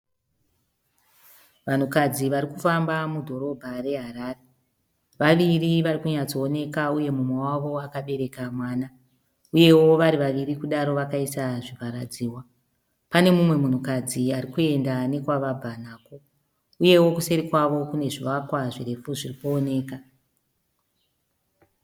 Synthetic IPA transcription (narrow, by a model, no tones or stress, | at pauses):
ʋan̤ukad͡ziʋaɾikufambamudʱo̞ɾo̞bʱare̞ɦaɾaːre | ʋaʋiriʋarikuɲat͡soːne̞kauje̞mumwewaʋo̞akaɓe̞ɾe̞kamwaːna | uje̞wo̞ʋaɾiʋaʋirikuɗaɾo̞ʋakaisaʐipaɾad͡ziːwa | pane̞mumwe̞mun̤ukad͡ziaɾikue̞ndane̞kwaʋabʱan̤aːko̞ | uje̞wo̞kuseɾikwaʋo̞kune̞ʐiʋakwaʐire̞fuʐiripoone̞ːka